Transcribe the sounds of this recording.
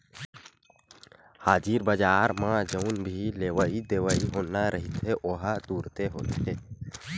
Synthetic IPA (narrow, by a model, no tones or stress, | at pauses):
haːd͡ʒiːɾbəd͡ʒaːɾmãːd͡ʒəʊnbʱileːʋəid̪eːʋəiɦoːnaɾəɦɪt̪ɦeʔoɦatd̪uːɾt̪eɦoːt̪ɦe